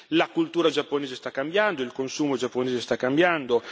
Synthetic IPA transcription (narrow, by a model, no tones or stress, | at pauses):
lakult̪uːɾad͡ʒapːoneːzest̪akːambjand̪oilkonsuːmod͡ʒapːoneːzest̪akːambjand̪o